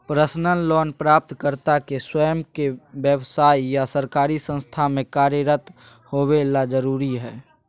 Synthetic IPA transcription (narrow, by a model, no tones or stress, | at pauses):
pɾəsnənlɔːnpɾaːp̚t̪kəɾt̪akeswəjəmkebjəwsaːijasəɾkaːɾisə̃nst̪ʰamẽkaːɾjəɾət̪ | hobelad͡ʒəɾuːɾiɦɛː